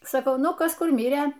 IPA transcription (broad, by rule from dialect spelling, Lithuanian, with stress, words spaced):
sɐˈkɐʊ ˈnʊ ˈkɐs ˈkʊr ˈmʲɪrʲeː